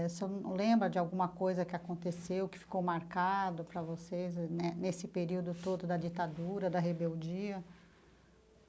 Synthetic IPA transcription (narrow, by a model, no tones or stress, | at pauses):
sewlẽmbɾɐd͡ʒɪawɡũmɐkojzɐkɪakõnt̪esewkɪ̥fi̥kowmaɾkad̪ʊpɾɐvosejznɛnesɪpeɾiwd̪ʊt̪od̪ʊd̪ɐd͡ʒit̪ad̪uɾɐd̪ɐɦebewd͡ʒiɐ